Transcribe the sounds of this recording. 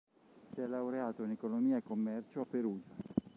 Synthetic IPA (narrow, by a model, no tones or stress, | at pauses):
siɛlːawɾeaːt̪oinekonomiːaekːomːɛrt͡ʃoapːeɾuːd͡ʒa